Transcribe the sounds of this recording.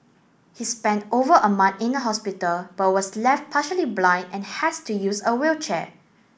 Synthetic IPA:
hispɛ̃ntovəʔəmãnθɪ̃ndəɦɔspitəlb̥at̚wɔslɛft̚pʰaʃəliblãɪ̃ndɛ̃nhɛstujusəwilt͡ʃɛ̰

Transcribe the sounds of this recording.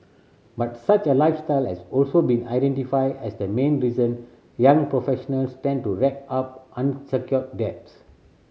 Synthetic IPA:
bat̚sat͡ʃəlaɪfstaɪlhɛsɔlsobĩna̰ɪdɛ̃ntifaɪdɛsd̪əmẽnɹizə̃n | jãŋpɹofɛʃɔnəlstɛ̃n̚tuɹɛk̚ap̚ʔãnsəkjɔt̚dɛp̚s

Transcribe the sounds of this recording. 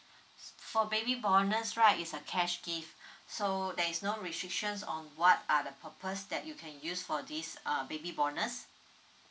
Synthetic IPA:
fɔbebibɔnəsɹaɪtitsəkʰɛʃɡifsodɛisnoɹistɹɪk̚ʃə̃nsɔ̰̃nwɔtadəpʰəpʰəsdɛt̚jukʰɛ̃njusfɔdisʌbebibɔnəs

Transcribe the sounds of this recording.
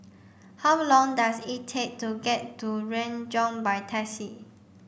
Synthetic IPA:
hawlɔ̃ŋdasittʰek̚tuɡɛttuɹɛ̃nd͡ʒɔ̃nbaɪtʰɛsi

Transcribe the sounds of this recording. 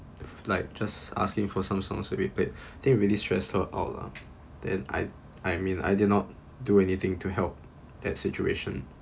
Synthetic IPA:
laɪk̚d͡ʒasa̰skɪ̃ŋfɔsãmsɔ̰̃ŋswɛ̰bipletat̪ɪ̃ŋɹilistɹ̥ɛ̰sfəla̰ʊtla̰ | d̥ɛ̰̃na̰ɪ | ʔaɪmĩna̰jdɪdⁿnɔt̚ | duɛnit̪ɪ̃ŋtʰuɦɛlp̚ | d̪ɛtsit͡ʃueʃə̃n

